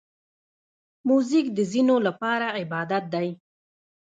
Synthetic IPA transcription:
muzikd̪əzinolapɑɾaɪbɑd̪at̪̚d̪aj

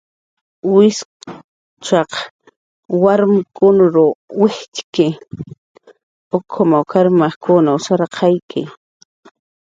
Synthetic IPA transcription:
wɪs | t͡ʃaq | waɾmɪkʊnɾʊwɪht͡ʃkɪ | okʰomawkʰaɾmaχkʰʊnaʊsaɾqʰɑjkʰɪ̰

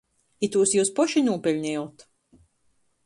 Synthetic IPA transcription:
it̪uːsjuːspɔʃinuːpʲɛlʲɲɛwt̪

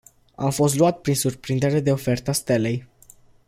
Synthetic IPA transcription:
a̰mfo̞st̪luat̪pɾinsurpɾind̪e̞ɾe̞d̪e̞o̞fe̞rt̪ast̪e̞le̞j

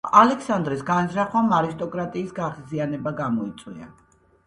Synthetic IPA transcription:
alɛksand̪ɾɛsɡanzɾaχwamaɾist̪ʼɔkʼɾat̪ʼiːsɡaχzianɛbaɡamɔit̪sʼwia̰

